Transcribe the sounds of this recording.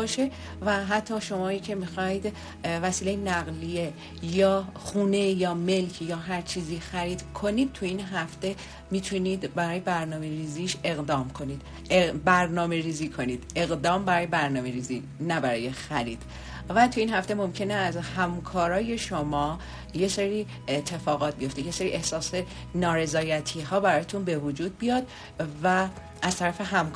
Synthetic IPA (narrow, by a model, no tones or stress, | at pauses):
ɒːʃe̞ | væɦæt̪ʰːɒːʃo̞mɒːiːcʰe̞mixɒjid̪ | væsiːlejenæɣlije̞ | jɒːxune̞jɒːme̞lcʰjɒːɦæɾt͡ʃʰiːziːxæɾiːd̪̥kʰo̞niːd̪̚t̪ʰuiːnɦæft̪e̞ | miːt̪ʰuniːd̪bæɾɒːje̞bæɾnɒːmeɾiːziːʃe̞ɣd̪ɒːmkʰoniːd̪̥ | bæɾnɒːme̞ɾiːziːkʰo̞niːd̪̥e̞ɣd̪ɒːmbæɾɒːjebæɾnɒːme̞ɾizi | næbæɾɒːje̞xæɾiːd̪̥ | væt̪ʰuiːnhæft̪e̞mo̞mcʰe̞neæzhæmkʰɒːɾɒːje̞ʃomɒː | jeseɾi | et̪ʰːe̞fɒːɣɒːt̪̚bijo̞ft̪ejeseɾiʔe̞hsɒːse̞ | nɒːɾe̞zɒːjæt̪ʰiːɦɒːbæɾɒːjet̪ʰunbe̞vod͡ʒuːd̪̚bijɒːd̪̥̚ | væ | æz̥t̪ʰæɾæfe̞hæm